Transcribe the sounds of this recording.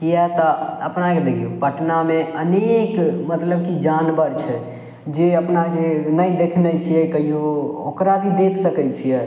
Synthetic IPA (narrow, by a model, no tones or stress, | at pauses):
kijɛt̪ɔəpnaked̪ekʰijopəʈnameənekmət̪ləb̚kid͡ʒanbəɾt͡ʃʰɛ | d͡ʒeəpnakenəjd̪ekʰnɛt͡ʃʰijɛkəɦioo̰kɾabʱid̪ekʰsəkɛt͡ʃʰijɛ